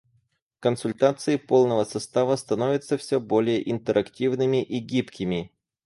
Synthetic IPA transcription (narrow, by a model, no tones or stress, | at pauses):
kənsʊlʲt̪at̪sɨɪpo̞lˠnəvəsɐst̪avəst̪ɐno̞vʲɪt̪səfsʲɵbo̞lʲɪjəʔɪnt̪əɾʔɐktʲivnɨmʲɪʔiɡʲipkʲɪmʲɪ